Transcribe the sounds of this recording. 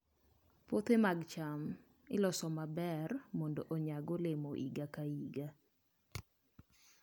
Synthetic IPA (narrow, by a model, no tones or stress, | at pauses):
pot̪emaɡt͡ʃam | ɪlɔsɔmabɛrmɔndoʔoɲaɡɔlɪmoʔḭɡakaiɡa